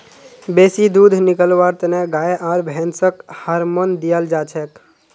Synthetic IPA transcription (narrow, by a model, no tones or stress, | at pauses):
beːsid̪ud̪ʱnikəlʋaɾt̪neɡaːeʔaːɾbʱɛnsəkhəɾmond̪ijəld͡ʒaːt͡ʃʰɛk